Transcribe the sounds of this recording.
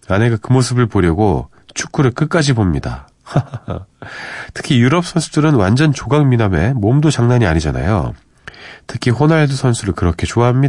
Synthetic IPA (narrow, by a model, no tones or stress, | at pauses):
ane̞ɡakɯmos̬ʰɯbɯɭpoɾjʌɡo | t͡ɕʰu̥k͈ʰuɾɯɭk͈ɯk͈ad͡ʑibomɲida̰ | tʰɯ̥kʰijuɾʌp̚s͈ʰʌnsʰudɯɾɯnwand͡ʑʌnt͡ɕoɡaŋminame̞momdot͡ɕaŋnaɲiaɲid͡ʑana̰jo̰ | tʰɯ̥kʰiɸonaɭdusʰʌnsʰuɾɯɭkɯɾʌkʰe̞t͡ɕoaɦamɲi